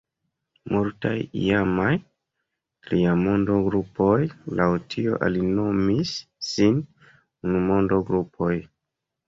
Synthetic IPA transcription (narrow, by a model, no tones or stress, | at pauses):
muɾtajḭjamaj | liamo̞ndo̞ɡɾupo̞jlawtʰio̞̰ʔalino̞misːin | unumo̞ndoɡɾupʰo̞j